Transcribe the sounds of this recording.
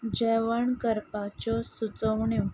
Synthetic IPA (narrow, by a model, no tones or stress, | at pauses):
d͡ʑɛʋəɳkəɾpat͡ɕɔsut͡səʋɳjɔ